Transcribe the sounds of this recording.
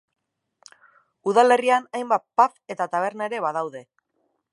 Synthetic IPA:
uðale̞rianajmbapafe̞t̪at̪aβ̞e̞ɾnaeɾe̞βað̞awðe̞

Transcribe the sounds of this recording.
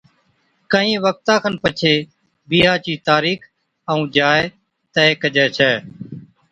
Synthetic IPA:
kəĩːʋək̚t̪ãːkʰənpət͡ʃʰeː | biːɦaːt͡ʃiːt̪aːɾiːkʰ | əũːd͡ʒaːe | t̪əːeːkəd͡ʒɛːt͡ʃʰɛː

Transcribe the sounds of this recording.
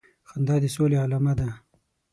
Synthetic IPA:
xand̪ɑːd̪esoːlealamad̪a

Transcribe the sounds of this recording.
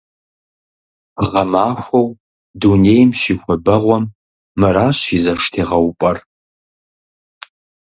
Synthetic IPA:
ʁɐmaːxʷɔw | duneːjmʃiːxʷɔbɐʁʷɔmː | ɨɾaːɕizɐʂtʰeːʁɐwpʷʼɐr

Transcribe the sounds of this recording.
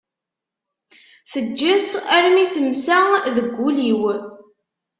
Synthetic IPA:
θəd͡ʒːət͡sːæɾmiθəmsæðəɡʷːuliw

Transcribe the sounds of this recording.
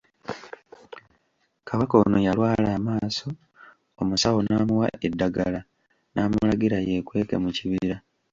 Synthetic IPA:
kʰaβako̞ːnojalwaːlaːmaːso̞ | omusawo̞naːmuwa̰ʔedːaɡala | nʔaːmulaɡiɾaje̞ːkwe̞ːke̞muciβiɾa

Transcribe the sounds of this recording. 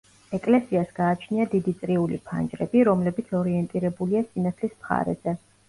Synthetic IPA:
ɛkʼlɛsiasɡ̥aːt͡ʃʰniad̪id̪it̪sʼɾiulḭpʰa̰nd͡ʒʼɾɛbiɾɔmlɛbit̪sʰɔɾiɛnt̪ʼiɾɛbuliasinat̪sʰlismχa̰ɾɛ̰zɛ

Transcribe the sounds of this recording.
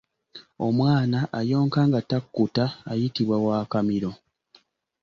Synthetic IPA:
o̞mwaːnaʔajo̞ːŋkaŋɡatakːutaːjitiβwawaːkamiɾo̞

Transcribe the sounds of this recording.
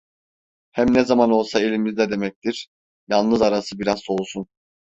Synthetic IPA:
hæmnɛzamano̞lˠsaelʲimizd̪ɛd̪e̞mɛc̚t̪ʰiɾ̥ | jalˠnɯzaɾasɯbiɾazso̞lˠsun

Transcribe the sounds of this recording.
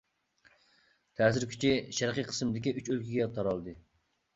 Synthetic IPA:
t̪ʰɛːsɪɾkʲʰy̥t͡ʃʰiʃæɾqiqʰə̥smɨd̪ɪkʲiʔyt͡ʃølkʲʰiɡʲɛt̪ʰɑɾɑlˠd̪ɨ

